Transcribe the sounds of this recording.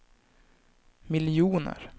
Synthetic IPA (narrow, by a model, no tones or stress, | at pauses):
mɪljuːnə̰ɾ